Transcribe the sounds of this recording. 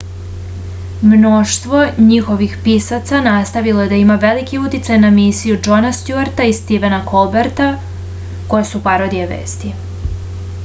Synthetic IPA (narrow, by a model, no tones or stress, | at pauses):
mnoʃt̪ʋo̞ɲixo̞ʋixpiːsat̪sanast̪aʋilo̞je̞d̪aimaʋelikiut̪it̪sajnamisijud͡ʒo̞nast̪juaɾt̪aist̪iʋenakʰolbeɾt̪a | ko̞jesupaɾod̪ieʋḛːst̪i